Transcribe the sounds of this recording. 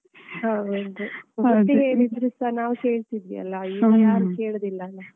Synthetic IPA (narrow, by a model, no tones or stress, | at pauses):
ɦaːond̪uʋɐiɦeːɾid̪ɐɾisɐnaːʋkeːɭt̪id̪ʋḭɐ̰lːɐiːjaːɾukeːɭd̪ilːɐlːa